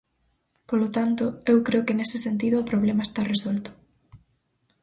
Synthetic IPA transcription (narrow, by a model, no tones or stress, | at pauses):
polot̪ant̪ʊewkɾeʊkɪnesɪsent̪̬iðʊːpɾoβ̞lemɐest̪aresolt̪ʊ̥